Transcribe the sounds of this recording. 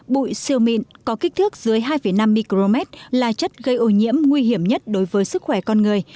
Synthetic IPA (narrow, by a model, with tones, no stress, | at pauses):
ɓṵ˧˨jsi˧əwmḭ˧˨nkɔ˨˦ki˦˥k̚t̪ʰɨ˦˥ək̚zɨ˨˦əjɦaː˧jfə˨˩jna˧mːi˧ki˧lo˧mɛ˦˥t̚laː˨˩t͡ɕə˦˥t̚ɣə˧jʔo˧˩ɲḭ˧˥əmŋwi˧ɦi˧˩əmɲə˦˥t̚ɗo˨˦jvəː˨˦jsɨ˦˥k̚xwɛ˧˩kɔ˧nŋɨ˨˩əj